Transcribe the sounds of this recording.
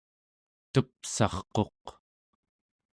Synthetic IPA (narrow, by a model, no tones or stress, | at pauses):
t̪əpsɑ̰χqo̞q